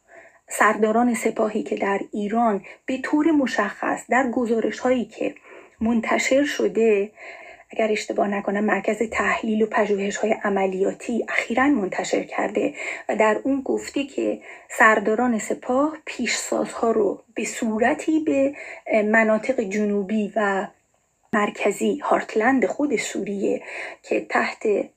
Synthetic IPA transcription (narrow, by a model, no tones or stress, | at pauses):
sæɾd̪ɒːɾɒːne̞se̞pʰɒːɦiːcʰe̞d̪æɾiːɾɒːnb̥e̞t̪ʰoːɾemoʃæxːæ̰sd̪æɾɡo̞zɒːɾʔe̞ʃhɒːiːcʰe̞̰mont̪ʰæʃe̞ɾʃo̞d̪e̞ʔæɡæɾe̞ʃt̪e̞bɒːhnækʰo̞næmmæɾcʰæzet̪ʰæhliːlopʰæʒuːhe̞ʃhɒːje̞ʔæmælijɒːt̪ʰiːʔæxiːɾænmont̪ʰæʃe̞̰ɾcʰæ̰ɾd̪e̞væd̪æɾuːnɡoft̪ecʰe̞̰sæɾd̪ɒːɾɒːne̞se̞pʰɒːhpʰiːʃsɒ̰ːzhɒːɾob̥e̞suːɾæt̪ʰiːbe̞mænɒːt̪ʰe̞ɣe̞d͡ʒonuːbiːvæ | mæɾkʰæziːhɒːɾt̪ʰlænd̪exo̞d̪e̞suɾijecʰet̪ʰæht̪ʰe̞